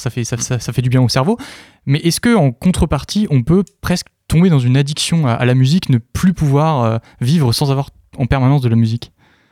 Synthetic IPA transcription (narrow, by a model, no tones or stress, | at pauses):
safɛsasasafɛd̪ybjɛ̃osɛʁvo | mɛʔɛskəɑ̃kɔ̃t̪χəpaʁt̪ʰiʔɔ̃pøpχɛsk | t̪ɔ̃bed̪ɑ̃zynad̪iksjɔ̃ʔa̰lamyziknəplypuvwaʁø | vivʁəsɑ̃zavwaʁ | ɑ̃pɛʁmanɑ̃s̬d̪əlamyzik